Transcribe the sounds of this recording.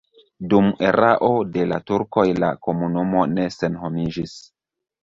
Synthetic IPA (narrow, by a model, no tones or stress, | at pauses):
dumeɾaʔo̞de̞latuɾko̞jla̰ko̞munumo̞ne̞se̞nɦo̞mid͡ʒis